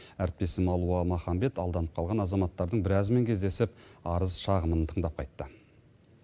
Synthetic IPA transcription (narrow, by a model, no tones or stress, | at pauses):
æɾɪt̪̚pe̞sɪmɑlˠuəmɑχɑmbe̞t̪ɑlˠd̪ɑnəp̚qʰɑlˠʁɑnɑzɑmɑt̪ːɑɾd̪əɴbɪɾɑzme̞ŋkʲʰe̞zd̪e̞sɪpɑɾəzʃɑʁəmənt̪ʰəɴd̪ɑp̚qʰɑjt̪ːə